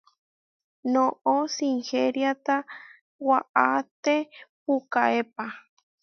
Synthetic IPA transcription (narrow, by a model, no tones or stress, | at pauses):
noʔosiŋxeɾjat̪a | waʔat̪epukaepa